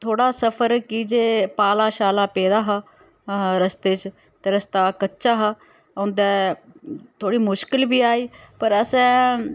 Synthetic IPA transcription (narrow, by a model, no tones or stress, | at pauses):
t̪ʰoːɽaːsəpʰəɾkid͡ʒeːpaːlaːʃaːlaːpɛːd̪aːɦaː | ɾəst̪eːt͡ʃ | t̪eːɾəst̪aːkətːʃaːɦaː | õːnd̪ɛː | t̪ʰoːɽiːmʊʃkɪlbiːaːiːpəɾəsɛ̃ː